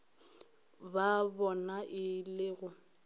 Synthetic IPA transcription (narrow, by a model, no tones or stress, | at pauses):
babɔnaʔɪlɪɣʊ